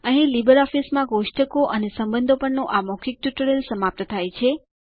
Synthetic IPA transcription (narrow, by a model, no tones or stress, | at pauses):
ə̃ɦĩlibəɾɔfismãɡoʂʈəkoʔənesəmbənd̪ʱopəɳnõʔamɔkʰik̚ʈ̪uʈəɾelsəmap̚t̪ət̪ʰajt͡ʃʰe